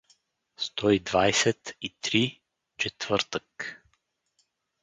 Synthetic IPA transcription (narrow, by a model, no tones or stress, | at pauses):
st̪ɔid̪vajsɛt̪it̪ɾi | t͡ʃɛt̪v̥ɤɾt̪ək